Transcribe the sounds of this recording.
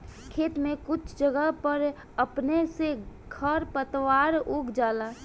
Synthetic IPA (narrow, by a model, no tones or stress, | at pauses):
kʰeːt̪mẽkʊt͡ʃʰd͡ʒəɡəpəɾ | əpnese | ɡʱəɾpət̪waːɾʊɡd͡ʒaːla